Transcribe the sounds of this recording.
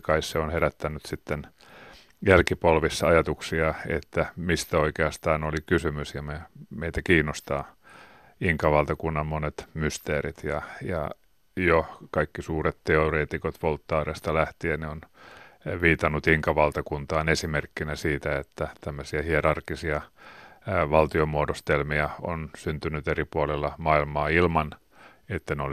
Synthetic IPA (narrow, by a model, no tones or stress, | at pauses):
kɑisseonheɾæt̪ːænːyt̪sit̪ːen | jælkipolʋisːɑɑjɑt̪uksiɑḛt̪ːæmist̪æoikeɑst̪ɑːnolikysymysjɑmemeit̪ækiːnːost̪ɑː | iŋkɑʋɑlt̪ɑkunːɑmmonet̪myst̪eːɾit̪jɑjɑ̰ | jokɑikːisuːret̪t̪eoreːt̪ikot̪ʋolt̪ːɑːrest̪ɑlæht̪ieneon | ʋiːt̪ɑnːut̪iŋkɑʋɑlt̪ɑkunt̪ɑːnesimerkːinæsiːt̪æet̪ːæt̪æmːøsiɑhierɑrkːisiɑ | ʋɑlt̪iomuodost̪elmiɑonsynt̪ynyt̪eripuolelːɑmɑilmɑːilmɑn | et̪ːæneol